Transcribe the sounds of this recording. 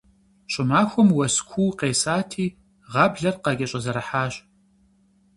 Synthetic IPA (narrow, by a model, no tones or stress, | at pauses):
ɕʼɪmaːxʷɔmwɐskʷʰuːqeːsaːtʰiː | ʁɑːbɮɐrqɑɡʲʼɐɕʼɐzɐɾɐħaːɕ